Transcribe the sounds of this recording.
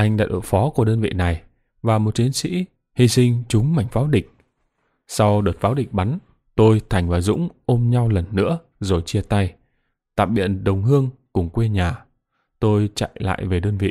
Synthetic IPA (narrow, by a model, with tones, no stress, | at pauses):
ʔa˧jŋ̟ɗa̰ː˧˥ɗo̰˧˨˩jfɔ˨˦ku˧˩əɗəː˧nvḭ˧˨na˨˩j | vaː˨˩mo˨˩t̚t͡ɕ̪i˨˦ənsḭ˧˥ | hi˧sï˧ŋ̟t͡ɕʊ˨˦ŋ͡mma˧˩jŋ̟faː˨˦wɗï˨˩k̟̚ | sa˧wɗəː˨˩t̚faː˨˦wɗï˨˩k̟̚ɓa˨˦n | t̪o˧jt̪ʰa˨˩jŋ̟vaː˨˩zʊ̰˧˥ŋ͡mʔo˧mɲa˧wlə˨˩nːɨ̰˧˥ə | zo˨˩jt͡ɕi˧ət̪a˧j | t̪a̰ː˧˨ɓḭ˧˨ənɗə˨˩wŋ͡mɦɨ˧əŋkʊ˨˩ŋ͡mkwe˧ɲaː˨˩ | t̪o˧jt͡ɕa̰˧˨jla̰ː˧˨jve˨˩ɗəː˧nvḭ˧˨